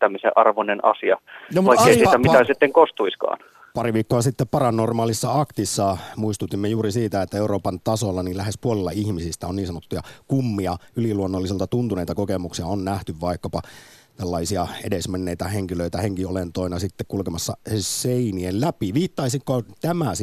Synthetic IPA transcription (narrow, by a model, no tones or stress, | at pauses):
t̪æmːisḛʔɑrʋonenɑ̰siɑjoutɑikɑːeiiːt̪æmit̪æsit̪ːeŋkost̪uiskɑ̰ːn | pɑriʋiːkːoɑsit̪ːeppɑrɑnormɑːlisːɑɑkt̪isːɑmuist̪ut̪ːimːejuːɾisiːt̪æet̪ːæeuroːpɑnt̪ɑsolːɑnilæhespuolilːɑihmisist̪æonniːnsɑnot̪ːujɑkumːiɑyliluonːolːiselt̪ɑt̪unt̪uneijt̪ɑkokemuksiɑonnæht̪yʋʋɑikːɑpɑ | t̪ælːɑisiɑedesmenːeijt̪æheŋkiløit̪æheŋkiolent̪oinɑsit̪ːekkulkemɑsːɑ̰seiniellæpiʋiːt̪ːɑisikkot̪æmæs